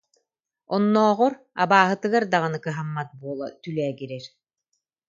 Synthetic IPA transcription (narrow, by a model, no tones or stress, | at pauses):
ɔnːɔːʁɔɾ | a̰baːɦɯt̪ɯɡaɾd̪aʁɯnɯkɯɦamːat̪̚buɔlˠa̰t̪ylɛːɡiɾɛɾ